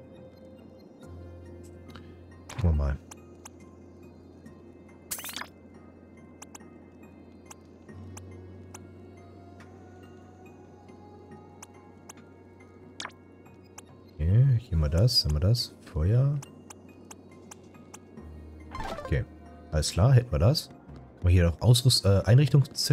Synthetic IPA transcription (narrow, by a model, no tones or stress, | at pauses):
wama | kʰeːhiːɐmaːɐdasamiɐdasfɔʏɐ | ʔokʰḛː | ʔaləskʰl̥aːɐɦɛtn̩viːɐdas | mahiːɐdɔχʔaʊs̬ʁsʔɛːʔaɪnʁɪçtʊŋst͡sɛ